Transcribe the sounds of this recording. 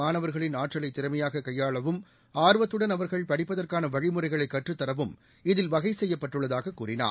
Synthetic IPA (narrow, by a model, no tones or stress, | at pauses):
aːnɐʋɐɾɣɐɭɪnaːʈrɐlɐɪt̪ːɪɾɐmɐjaːɣɐkɐjːaːɭɐʋɯm | aːɾɯʋɐt̪ːɯɽɐnɐʋɐɾɣɐɭpɐɽɪpːɐðɐrkaːnɐʋɐɻɪmɯrɐɪɣɐɭɐɪkːɐʈrɯt̪ːɐɾɐʋɯm | ɪðɪlʋɐɣɐɪsɛjːɐpːɐʈːɯɭːɐðaːɣɐkːuːrɪna̰ː